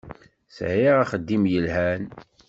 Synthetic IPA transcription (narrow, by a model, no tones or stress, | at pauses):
sʕiʁaχəd̪ːimjəlhæn